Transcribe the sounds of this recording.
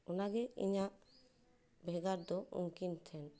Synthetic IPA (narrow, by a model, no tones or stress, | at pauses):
ɔnaɡɛḭɲaʔ | bʱɛɡaɾd̪ɔṵŋkint̪ʰɛn